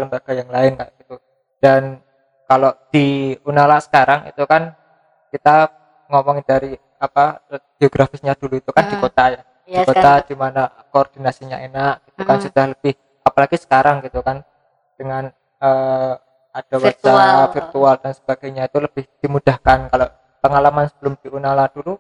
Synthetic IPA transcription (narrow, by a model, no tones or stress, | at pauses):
ləmbaɡ̥ajaŋlaɪnkaʔɡ̥it̪u | d̥an | kaloʔd̥iunalasə̥kaɾaŋḭt̪ukan | kit̪a | ŋɔmɔŋdaɾi | apaɡ̥eoɡ̥ɾafɪsɲad̥uluit̪ukand̥ikot̪aja | d̥ikot̪ad̥imana | koːrd̥inasiɲa̰enaʔɡ̥it̪ukansud̥ahləb̥ɪh | apalaɡisə̥kaɾaŋɡit̪ukan | d̥əŋan | əː | ad̥awt͡ʃaɾafirt̪uald̥ansə̥b̥aɡ̥ajɲait̪uləb̥ɪhd̥imud̥ahkankaloʔ | pəŋalamansəb̥əlʊmd̥iunalad̥ulu